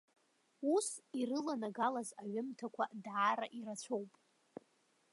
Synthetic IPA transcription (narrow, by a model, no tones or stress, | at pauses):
usirɨlanaɡalazaɥʊmtʰakʷʰa̰dʕaɾaʔiɾat͡ɕʷʰo̞wpʼ